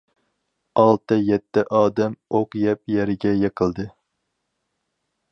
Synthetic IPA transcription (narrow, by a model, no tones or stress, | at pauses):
ɑlˠt̪ʰɨjɛt̪ʰːɪʔɑːd̪ɛmoqjɛp̚jɛɾɪɡʲɛjeqʰəlˠd̪ɨ